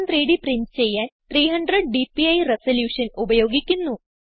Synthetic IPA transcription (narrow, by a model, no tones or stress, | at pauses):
nt̪riːɽiprinst͡ɕe̞jːaːnt̪riːɦɐɳɖrɐɖ̚ɖipːiɐjresɐljuːʂɐnubɐjo̞ːɡikʲːunːu